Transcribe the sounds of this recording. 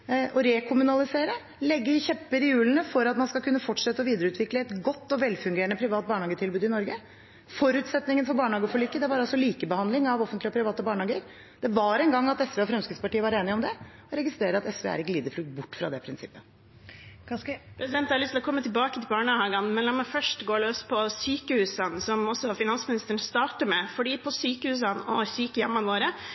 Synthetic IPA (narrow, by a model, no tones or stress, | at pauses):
ʔɔɾɛkʰʊmʉnɑlɪseːɾə | lɛɡːəɪçɛpːəɾɪjʉːlənəfɔɾɑt̪mɑnskɑlkʰʉnːəfɔʈʂɛt̪ːəɔʋiːd̪əɾəʉːt̪ʰʋɪkləɛt̪ɡɔt̪ːɔʋɛlːfʉŋɡeːɾəɳəpʰɾɪʋɑːt̪̚bɑːɳɑːɡət̪ʰɪlbʉːd̪ɪnɔɾɡə | fɔɾʉːt̪sɛt̪nɪŋənfɔɾbɑːɳəhɑːɡəɔfɔɭiːkːəd̪ɛʋɑɾɑlsɔliːkəbəhɑnd̪lɪŋɑʋɔfənt̪lɪɔpʰɾɪʋɑːt̪əbɑːɳəhɑːɡəɾ | d̪̥ɛʋɑɾɛnɡɑŋːɑt̪ɛsʋeːɔfɾɛmskɾət̪spɑʈiːəʋɑɾeːnɪɔmd̪ɛ | ɔɾɛɡɪst̪ɾeːɾəɑt̪ɛsʋḛːæ̰ɾɪkːəliːd̪əɾflʉːk̚t̪̚bʊʈːfɾɑ̰d̪ɛpʰɾɪnsɪpːə | pʰɾɛsɪd̪ɛnt̪hɑɾlʏst̪ɪlɔkʰɔmːət̪ʰɪlbɑːkət̪ʰɪlbɑːɳəhɑːɡɑnmɛnlɑːmɑfœʂʈɡoːɭøːspʰɔsyːkəhʉːsɑnsɔmɔsːɔfɪnɑnsmɪnɪst̪əɳst̪ɑːʈəmɛfɔɖiːpʰɔsyːkəhʉːs̬ɑnɔsyːkəjɛmːɑnʋoːɾə